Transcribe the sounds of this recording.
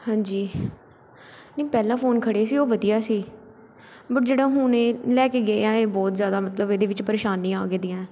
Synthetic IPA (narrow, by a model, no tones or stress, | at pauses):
hãːɲd͡ʒiː | nẽːpɛːlãːpʰoːnkʰəɽeːsiːoːʋəd̪ijaːsiː | bəʈ̚d͡ʒeːɽãːɦʊːnẽːlɛːkeːɡeãːeːbɔːt̪zjaːd̪aːmət̪ləbeːd̪eːʋɪt͡ʃpəɾeːʃaːnĩːa̰ːɡeːd̪ĩːãːɛː